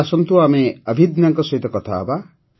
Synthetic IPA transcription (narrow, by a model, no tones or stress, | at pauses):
asɔnt̪uameʌbʱid̪naŋkɔsʌit̪ʌkʌt̪ʰa̰ba